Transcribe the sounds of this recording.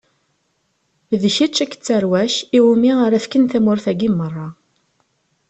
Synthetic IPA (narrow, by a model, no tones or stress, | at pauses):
ðəʃit͡ʃːækːə̥t͡sːəɾwæʃiwumiaɾæfkənθæmʊɾθæɡimːərˤːɑ